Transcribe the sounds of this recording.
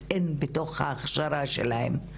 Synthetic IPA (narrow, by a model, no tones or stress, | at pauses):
enbeto̞χha̰ːχʃaɾaʃḛlahḛm